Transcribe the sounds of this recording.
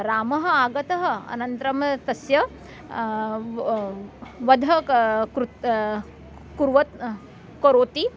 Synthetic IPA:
ɾaːmɐɦɐ̆aːɡɐt̪ɐɦɐɐ̰nɐnt̪ɾɐmt̪ɐsjɐ | ʋɐd̪ʱɐkɾut̪ | kuɾʋɐt̪ | koɾoːt̪i

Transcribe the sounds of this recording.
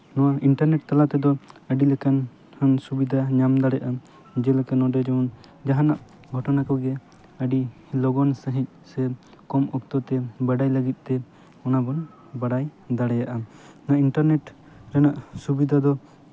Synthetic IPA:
nɔwaiɳʈaɾnɛʈ̚t̪alat̪ɛd̪ɔəɖilɛkan | hənsubid̪ʱaɲamd̪aɽɛjʔa | d͡ʒɛlɛkanɔɖɛd͡ʒɔɔn | d͡ʒaɦanaʔ | ɡʱɔʈɔnakɔɡɛ | əɖi | lɔɡɔnsəɦic̚sɛ | kɔmɔk̚t̪ɔt̪ɛbaɖajləɡit̪̚ˀt̪ɛ | ɔnabɔn | baɖajd̪aɽɛjaʔanaiɳʈaɾnɛʈ | ɾɛnaʔsubid̪ʱad̪ɔ

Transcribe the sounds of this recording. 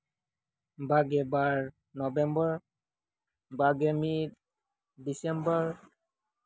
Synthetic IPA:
baɡɛbaɹ | nɔbɛmbɔɹ | baɡɛmit̚ | disɛmbɔɹ

